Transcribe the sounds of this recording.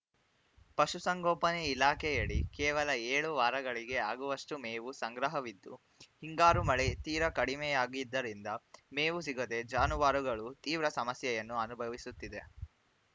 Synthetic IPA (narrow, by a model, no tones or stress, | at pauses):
pɐʃusɐŋɡoːpɐneilaːkʰɛjɐɽikɛːʋɐlɐeːɭuʋaːɾɐɡɐɭiɡe̞aːɡuʋɐʂʈumeːʋusɐŋɡɾɐɦɐʋid̪ːu | hiŋɡaːɾumɐɭet̪iːɾɐkɐɽimɛjaːɡid̪ːɐɾind̪ɐmeːʋusiɡod̪e̞d͡ʒaːnuʋaːɾuɡɐɭut̪iːʋɾɐsɐmɐsjɐjɐnːuɐnubʱɐʋisut̪ːid̪e̞